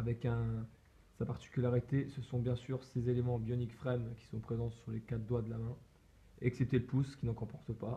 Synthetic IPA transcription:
avɛkɛ̃ | sapaʁt̪i̥kʲylaʁit̪esəsɔ̃bjɛ̃syʁsezelemɑ̃bjɔnikfχɛmkʲi̥sɔ̃pχezɑ̃syʁlekad̪wad̪əlamɛ̃ | ɛksɛp̚t̪eləpuskʲinɑ̃kɔ̃pɔʁt̪əpa

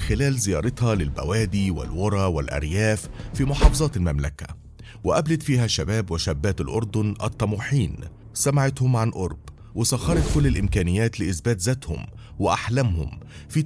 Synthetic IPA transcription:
xɪlæːlzɪjɑ̰ːɾˤɑt̪hɑlɪlbæ̰wæːd̪iːwɪ̰lwɑɾˤɑːwɪlʔæ̰ɾjæːffiːmʊħɑːfɑzˤɑːt̪ɪlmæmlækæ̰ | wɪʔæblɪd̪fiːɦæʃːæbæːbwɪʃæbːæːt̪ɪlʔʊɾˤd̪ʊnʔɑ̰t̪ˤːɑmuːħiːn | sæmaʕɪt̪hʊmʕanʔʊɾˤb | wɪsˤɑxɑɾˤɑt̪kʊlːɪlʔɪmkæːnɪjːæːt̪lɪʔɪsbæːt̪zæt̪hʊ̰m | wɪʔaħlæmhʊ̰mfiː

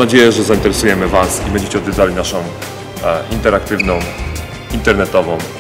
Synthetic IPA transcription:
ad͡ʑejɛʐɛzaint̪ɛɾɛsujɛmɘvasibɛɲd͡ʑet͡ɕɛɔd̪vʲɛd̪zalʲinaʂɔ̃w̃ | ʔint̪ɛɾakt̪ɘvnɔ̃w̃ | int̪ɛɾnɛt̪ɔvɔ̃w̃

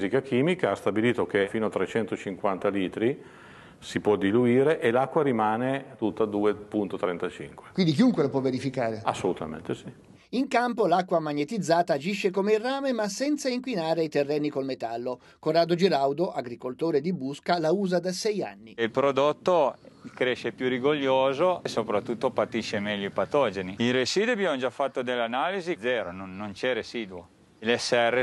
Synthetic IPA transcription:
zikak̟iːmikaast̪abiliːt̪okefiːnoat̪ːɾet͡ʃɛnt̪ot͡ʃiŋkwant̪aliːt̪ɾi | sipwɔd̪iluiːɾeʔelakːwaɾimaːnet̪ut̪ːad̪uːepunt̪ot̪ɾɛnt̪at͡ʃḭŋkwe̥kwind̪ikiuŋkwelopwɔveɾifikaːɾea̰sːolut̪a̰mḛ̃nt̪esi | iŋkampolakːwamaɲːet̪id̪zːaːt̪aːd͡ʒiʃːekomeirːaːmemasːɛnt̪saiŋkwinaːɾeit̪erːɛːnːikolmet̪alːo | koraːd̪od͡ʒiɾawd̪oʔaɡɾikolt̪oːɾed̪ibuskalauːzad̪asɛja̰nːiilpɾod̪ot̪ːokɾeʃːepjuriɡoʎːoːzosopɾat̪ːut̪ːopat̪iʃːemɛʎːoipat̪ɔːd͡ʒeniiresiːd̪wabjamod͡ʒafːat̪ːod̪elːeanalizid̪zɛːɾononːont͡ʃɛresiːd̪wo | ilɛsːeɛrːe

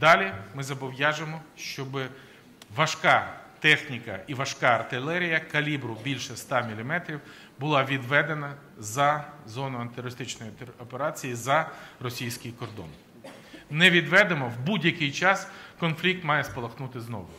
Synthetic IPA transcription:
d̪ɑlʲimɪzɐbɔwjɑʒemɔʃt͡ʃɔbɪ | ʋɐʃkɑt̪ɛxnʲikɐiʋɐʃkɑɐrt̪ɪlˠɛɾʲijɐkɐlʲibɾʊbʲilʲʃɛst̪ɑmʲilʲimɛt̪ɾʲiw | bʊlˠɑʋʲid̪ʋɛd̪enɐ | zɐzɔnʊɐnt̪ɪɾɔɾɪst̪ɪt͡ʃnɔjɔpeɾɑt͡sʲijizɐrɔsʲijsʲkɪjkɔrd̪ɔ̰n | nɛʋʲid̪ʋɛd̪emɔwbudʲjɐkɪjt͡ʃɑskɔnflʲik̚t̪mɑjɛspɔlˠɐxnut̪ɪznɔ̰ʋʊ

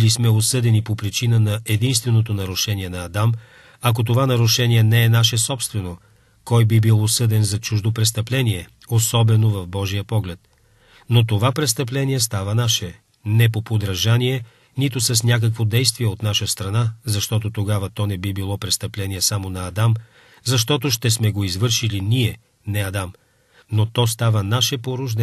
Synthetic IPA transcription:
lismɛosɤd̪ɛnipopɾit͡ʃinənɐɛd̪inst̪vɛnot̪onɐɾʊʃɛniɛnɐːd̪am | ɐk̬ot̪ovanɐɾʊʃɛnʲiɛnɛɛnaʃɛsɔpst̪vɛno | kɔjbibilˠosɤd̪ɛnzɐt͡ʃuʒd̪opɾɛst̪ɐplɛniɛ | osɔbɛnovɐvbɔʒijəpɔɡlɛt̪ | not̪ovapɾɛst̪əp̬lɛniɛst̪avənaʃɛ | nɛpopod̪ɾɐʒaniɛ | nit̪ʊsɐsnʲak̬əkvod̪ɛjst̪viɛot̪naʃəst̪ɾɐnazɐʃt̪ɔt̪ot̪oɡavət̪ɔnɛbibilˠɔpɾɛst̪ɐplɛnʲiɛsamonɐːd̪am | zɐʃt̪ɔt̪oʃt̪ɛsmɛɡoizvɤɾʃiliniɛ | nɛɐd̪am | not̪ɔst̪avənaʃɛpoɾʊʒd̪ɛ

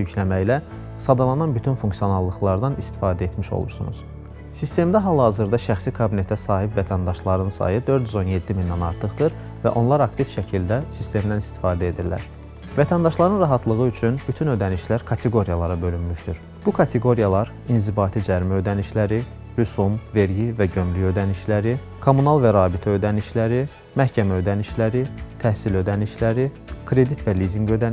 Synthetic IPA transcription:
jyclæmæjlæ | sɑd̪ɑlˠɑnɑnbyt̪ʰynfuŋksijo̞nɑlˠːɯχlˠɑɾd̪ɑnist̪i̥fɑːd̪æe̞t̪miʃo̞̰lˠṵɾsṵnṵz̥ | sist̪e̞md̪æɦɑlˠhɑzɯɾd̪ɑʃæxsikʰɑbine̞t̪ʰæsɑːɦipvæt̪ʰænd̪ɑʃlˠɑɾɯnsɑ̰jɯd̪ø̞ɾd̪yzo̞nje̞d̪ːimind̪ænɑɾt̪ʰɯχd̪ɯɾ | væʔo̞nlˠɑɾɑkt̪ʰifʃæcʰild̪æsist̪e̞md̪ænist̪i̥fɑːd̪æe̞d̪iɾlæ̰ɾ | væt̪ʰænd̪ɑʃlˠɑɾɯnɾɑɦɑt̪ʰlˠɯɣɯyt͡ʃʰynb̥yt̪ʰynød̪æniʃlæɾkʰɑt̪ʰe̞ɡo̞ɾijɑlˠɑɾɑbø̞lynmyʃd̪yɾ | b̥ukʰɑt̪ʰeɡo̞ɾijɑlˠɑɾ | inzibɑːt̪ʰid͡ʒæɾmæø̞d̪æniʃlæɾi | ɾysumve̞ɾɟivæɟø̞mlyø̞d̪æniʃlæɾi | kʰomunɑlˠvæɾɑːbit̪ʰæø̞d̪æniʃlæɾi | mæhcʰæmæø̞d̪æniʃlæɾit̪ʰæhsilø̞d̪æniʃlæɾi | kʰɾe̞d̪it̪væliziŋɡø̞d̪æn

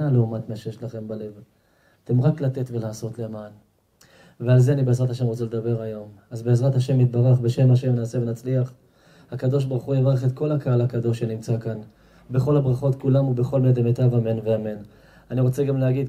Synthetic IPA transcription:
aleumat̪maʃejeʃlaχe̞mbale̞v | ate̞mʁaklat̪etve̞laːso̞tleaman | vealzeanibeːzʁat̪haʃemʁot͡sele̞d̪abe̞ʁajo̞mazbeːzʁat̪haʃe̞mit̪̚baʁaχbe̞ʃe̞maʃe̞mnaːse̞venat͡sliaχ | hakad̪o̞ʃ̬baʁuχujevaʁaχe̞t̪ko̞lakaalakad̪o̞ʃenimt͡sakan | be̞χo̞lhabʁaχo̞tkulamube̞χo̞lmned̪emet̪avamenveame̞n | aniʁo̞t͡se̞ɡamleaɡid

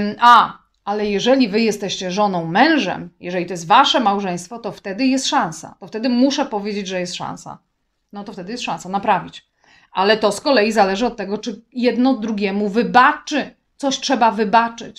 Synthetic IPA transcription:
a | alɛjɛʐɛlʲivɘjɛst̪ɛɕt͡ɕɛʐɔnɔ̃w̃mɛ̃w̃ʐɛ̰mjɛʐɛlʲit̪ɔjɛst̪vaʂɛmawʐɛ̃j̃st̪fɔt̪ɔft̪ɛd̪ɘjɛst̪ʂãsa̰t̪ɔft̪ɛd̪ɘmuʂɛpɔvʲjed͡ʑed͡ʑʐɛjɛst̪ʂã̰w̃sa̰ | nɔt̪ɔft̪ɛd̪ɘjɛst̪ʂãsanapɾavʲit͡ɕ | ʔalɛt̪ɔskɔlɛjizalɛʐɘɔt̪̚ːɛɡɔt͡ʂɘjɛd̪nɔd̪ɾuɡʲɛmuvɘbat͡ʂɘ | t̪sɔɕtʂɛbavɘbat͡ʂɘ̰t͡ɕ

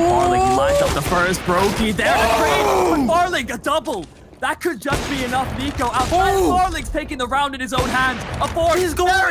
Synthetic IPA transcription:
ɔɹlɪ̃laɪtʌvðəfɜ˞s̚b̥ɹoʊkiðə˞ə̃ɹiwə̃bɑɹlˠɪ̃ŋɨdʌbl̩ˠ | ðət̚kʰɨd̚d͡ʒʌsb̥iɨnʌfnikoʊʔaʊtaɪɑɹlˠɪ̃ŋz̥tʰeɪkɪ̃ŋðəɹãʊ̃ndɨ̃nɨzõʊ̃nɦæ̃ndzəbɔɹzɡo

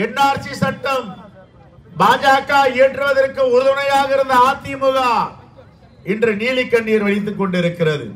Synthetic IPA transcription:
ɛnːaːɾt͡ʃːisɐʈːɐm | baːd͡ʒaːkːaːeːʈrɯʋɐðɐrkɯʊɾɯðɐnɐjaːɣɪɾɯnd̪ɐaːt̪ːɪmɯɣaː | ɪndrɐniːlɪkːɐɳːijɐɾʋɐɻɪt̪̬ːɯkːɔɳɖɪɾɯkːɪrɐðɯ̰

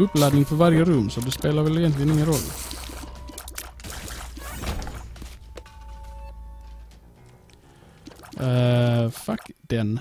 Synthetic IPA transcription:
ʉplæɪd̪nɪŋfɔʋæɾjəɾʉmsɔd̪eːspeːləʋɛleɡənt̪lɪnɪŋənɾɔlə | fækd̪̥ɛn

